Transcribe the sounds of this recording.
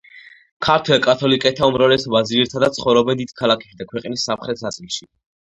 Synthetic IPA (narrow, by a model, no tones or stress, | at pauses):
kʰaɾt̪ʰwɛlkʼat̪ʰɔlikʼɛt̪ʰaumɾavlɛsɔbaziɾt̪ʰad̪at̪sʰχɔvɾɔbɛnd̪id̪̥kʰalˠakʰɛsʰid̪akʰwɛqʼnisːamχɾɛt̪ʰsat̪sʼilˠʃi